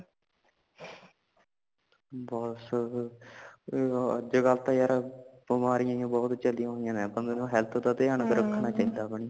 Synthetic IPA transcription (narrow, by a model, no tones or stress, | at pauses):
bɔːs | ə̰d͡ʒəɡəlt̪ãːjaːɾabəmaːɾijãːjãːbɔːt̪t͡ʃəlijãːɦoːijãːneːbənd̪oːnoɦɛlt̪ʰt̪aːt̪eːəɳɡəɾəkʰːnaːt͡ʃaːid̪aːpəɳi